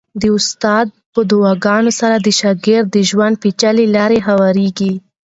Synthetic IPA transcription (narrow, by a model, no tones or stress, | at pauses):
d̪əʊst̪ɑd̪̚pəd̪ʊwɑɡɑnosaɾad̪əʃɑɡɪɾd̪̚ːəʒwand̪̚pet͡ʃalelɑɾeɦawɑɾeɡi